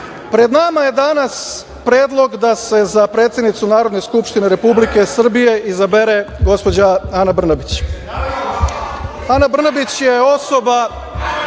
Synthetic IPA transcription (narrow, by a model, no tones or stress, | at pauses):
pɾe̞d̪namaje̞d̪anas | pɾe̞ːd̪lˠo̞ɡd̪ase̞zapɾe̞ːt̪sjed̪nit̪sunaːɾod̪neskupʃt̪ine̞ɾe̞publike̞sr̩bije̞ʔizabeɾe̞ɡo̞spo̞d͡ʑaanabr̩nabit͡ɕ | anabr̩nabit͡ɕje̞o̞so̞ba